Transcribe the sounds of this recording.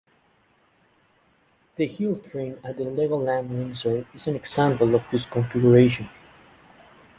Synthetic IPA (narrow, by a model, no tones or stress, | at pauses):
ðəhilˠtʰɹẽnət̪̚ðəlɛvəlˠːæ̃ndwɪ̃nsə˞ɪzæ̃nɛɡsæ̃mpəlˠɔvðɪskɔ̃ɱfiɡjəɹeɪʃə̃n